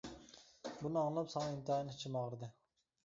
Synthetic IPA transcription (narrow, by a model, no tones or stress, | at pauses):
bunɨɑŋlˠɑpsɑŋɑint̪ɨɑjnɨt͡ʃʰɪmɑʁɾɨd̪ɨ